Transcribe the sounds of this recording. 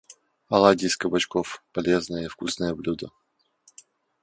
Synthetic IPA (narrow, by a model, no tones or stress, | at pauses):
ɐlˠadʲɪskəbɐt͡ɕkofpɐlʲeznəjəifkusnəjəblʲud̪ə